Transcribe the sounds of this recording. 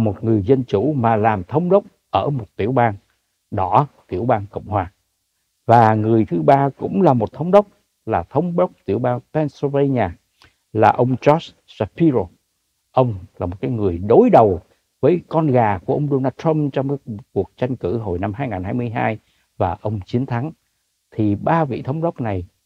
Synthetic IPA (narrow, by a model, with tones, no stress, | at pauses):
mo˨˩t̚ŋɨ˨˩əjzə˧nt͡ɕu˧˩maː˨˩laː˨˩mt̪ʰə˧wŋ͡mɗə˦˥wk͡p̚ʔəː˧˩mo˨˩t̚t̪i˧˩əwɓaː˧n | ɗɔ˧˩˦t̪ḭ˧˩əwɓaː˧nkə̰˧˨wŋ͡mhwaː˨˩ | vaː˨˩ŋɨ˨˩əjt̪ʰɨ˨˦ɓaː˧kʊ̰˧˥ŋ͡mlaː˨˩mo˨˩t̚t̪ʰə˧wŋ͡mɗə˦˥wk͡p̚ | laː˨˩t̪ʰə˧wŋ͡mɓwk͡p̚t̪i˧˩əwɓaː˧npɛ˧nso˧ve˧ɲaː˧˩ | laː˨˩ʔə˧wŋ͡mt͡ɕɔ˦˥s | sa˧˥pi˧ɾo˧˩ | ʔə˧wŋ͡mlaː˨˩mo˨˩t̚kaː˨˦jŋɨ˨˩əjɗo˨˦jɗə˨˩w | vəː˨˦jkɔ˧nɣaː˨˩ku˧˩əʔə˧wŋ͡mɗo˧naː˧t̪ʰə˧mt͡ɕɔ˧wŋ͡mkaː˨˦ku˨˩ək̚t͡ɕa˧jŋ̟kɨ˧˩ɦo˧˩jna˧mɦaː˧jŋaː˨˩nhaː˧jmɨ˧əjɦaː˧j | vaː˨˩ʔə˧wŋ͡mt͡ɕi˨˦ənt̪ʰa˨˦ŋ | t̪ʰi˨˩ɓaː˧vḭ˧˨t̪ʰə˨˦wŋ͡mɗə˦˥wk͡p̚na˨˩j